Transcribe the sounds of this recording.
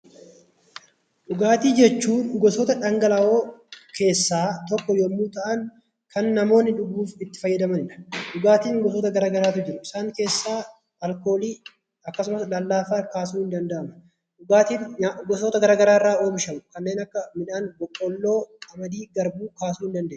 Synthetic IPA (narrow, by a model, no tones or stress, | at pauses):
ᶑʊɡaːt̪iːd͡ʒɛt͡ʃːuːnɡɔsoːt̪ɐᶑɐŋɡɐlɐʔoːkʰe̞ːsːaːt̪ɔkːɔjɔmːuːt̪ɐʔɐŋ | kʰɐnːɐmo̞ːnːɪᶑʊɡuːfɪt̪ːɪ̥fɐjːɐd̪ɐmɐnɪᶑɐ̥ᶑʊɡaːt̪iːnɡɔsoːt̪ɐɡɐɾaːɡɐɾaːt̪ʊd͡ʒɪɾʊɪsaːŋke̞ːsːaː | ɐlko̞ːliː | ɐkːɐs̬ʊmɐslɐlːaːfaːkaːsuːhɪnd̪ɐnd̪ɐʔɐmɐ | ᶑʊɡaːt̪inʊɡɔsoːt̪ɐɡɐɾaːɡɐɾaːɪrːaːo̞ːbɪʃɐmʊkɐnːe̞ːnɐkːɐmɪᶑaːnbɔkʼːɔlːo̞ːɐmɐd̪iːɡɐɾbuːkaːsuːhɪnd̪ɐnd̪eː